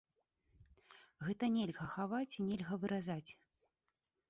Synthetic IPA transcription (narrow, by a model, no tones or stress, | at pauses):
ɣɛt̪ɐnʲɛlʲɣɐxavat͡sʲinʲɛlʲɣɐvɨɾʔazat͡sʲ